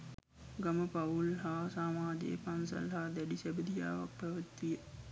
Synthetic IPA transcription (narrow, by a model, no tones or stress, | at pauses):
ɡaməpaulɦaːsaːmaːd͡ʒḛːpansɐ̰lɦaːd̪æɖisɛbəd̪ija̰ːʋa̰k̚pɛʋət̪ʋijə